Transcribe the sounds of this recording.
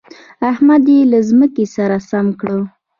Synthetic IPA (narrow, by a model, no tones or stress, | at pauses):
ahmad̪jelazməkesaɾasamkɽə